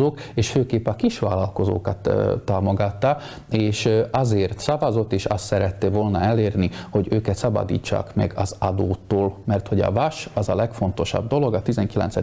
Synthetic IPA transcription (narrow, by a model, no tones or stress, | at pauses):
oːkeːʃføːkeːpːɒkiʃʋaːlɒlko̞zo̰ːkɒt̪ːaːmo̞ɡɒt̪ːɒ | eːʃɒzeːrt̪sɒvɒzo̞t̪ːeːʃɒst̪sɛɾɛt̪ːevo̞lnɒɛleːrniho̞ɟøːkɛt̪sɒbɒ̰d̪ḭːt͡ʃːa̰ːkmɛ̰ɡɒzɒd̪oːt̪ːoːlmɛrt̪ho̞ɟɒ̰vɒʃɒzɒlɛkfo̞nt̪o̞ʃɒ̰b̚d̪o̞lo̞ɡɒt̪izɛŋkilɛ̰nt̪sɛ